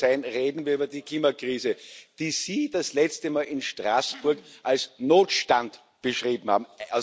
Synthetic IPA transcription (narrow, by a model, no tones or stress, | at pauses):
æɪnʁeːdn̩viɐyːbɐdikʰl̥iːmakʁ̥iːzəd̥iːz̥iːd̥aslɛt͡stəmaːlɪnʃtʁa̰ːsb̥ʊɐkʔalsnoːtʃtant | b̥əʃʁiːbm̩ha̰ːbm̩